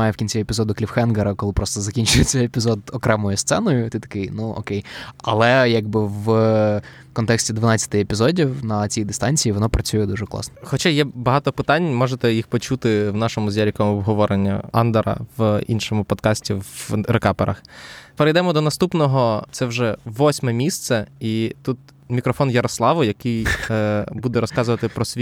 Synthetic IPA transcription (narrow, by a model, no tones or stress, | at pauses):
ajɛwkʲinʲt͡sʲiepʲizɔd̪ʊklʲiwxɛnɡɐɾɐkɔlɪpɾɔst̪ɔzɐkʲinʲt͡ʃʊjet͡sʲːɐepʲizɔd̪ɔkɾɛmɔjʊst̪sɛnɔjʊt̪ʲɪt̪ɐ̥kɪjnuɔ̰kejɐ̰lˠɛjaɡ̚bɪʋ | kɔnt̪ɛksʲtʲid̪ʋɐnɑt͡sʲːɐt̪ɪepʲizɔdʲiwnɐt͡sʲijd̪ɪst̪ɑnʲt͡sʲijiʋɔnɔpɾɐt͡sʲujɛd̪uʐɛklˠɑ̰snɔ̥xɔt͡ʃajɛbɐɦɑt̪ɔpɪt̪ɑnʲmɔʒet̪ɛjixpɔt͡ʃut̪ɪwnɑʃɔmʊzʲjaɾʲikɐmʊɔbɦɔʋɔɾenʲːɐ̰ɑ̰nd̪ɐɾɐ̰ʋinʃɔmʊpɔd̪kɑsʲtʲiʋɾekɑpeɾɐ̰xpeɾejd̪ɛmɔd̪ɔnɐst̪upnɔɦɔt̪sɛwʒɛʋːɔsʲmɛmʲist̪sɛit̪ut̪ | mʲikɾɔfɔnjɐɾɔslˠɑʋʊjɐkɪj | bud̪ɛɾɔskɑzʊʋɐt̪ɪpɾɔsʲʋʲ